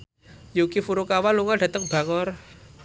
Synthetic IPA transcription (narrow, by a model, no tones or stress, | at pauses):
jukifuɾukawanluŋɔɖ̥ä̤t̪əŋb̥ä̤ŋɔr